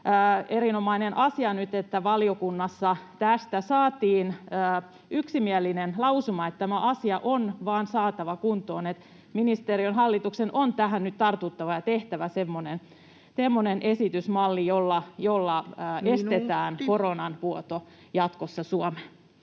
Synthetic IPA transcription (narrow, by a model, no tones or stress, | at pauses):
əːeɾinomɑinenʔɑsiɑnyt̪et̪ːæʋɑliokunːɑsːɑt̪æst̪æsɑːt̪iːnəː | yksimiælinenlɑusumɑet̪t̪æmæʔɑsiɑʔonʋɑːnsɑːt̪ɑʋɑkunt̪oːnet̪ | minist̪eːɾionɦɑlːit̪uksenʔont̪æɦænnyt̪t̪ɑrt̪ut̪ːɑʋɑjɑt̪eht̪æʋæsemːonen | semːonenʔesit̪ysmɑlːijolːɑjolːɑːʔesset̪æːnkoronɑnʋuot̪o | jɑt̪kosːɑsuome